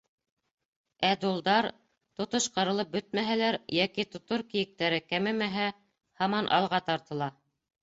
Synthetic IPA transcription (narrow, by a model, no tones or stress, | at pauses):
æd̪ulˠd̪ɑɾ | t̪ŏt̪oʃqɤ̆ɾɤ̆lˠɤp̚bɵt̪̚mæɦælæɾjækit̪ŏt̪oɾkijɘ̆k̚t̪æɾɘkæmɘmæɦæ | hɑmɑnʔɑ̰lˠʁɑt̪ɑɾt̪ɤ̆lˠɑ